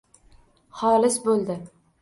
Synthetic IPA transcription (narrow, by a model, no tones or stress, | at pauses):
χɒːlɪsbolˠd̪ɪ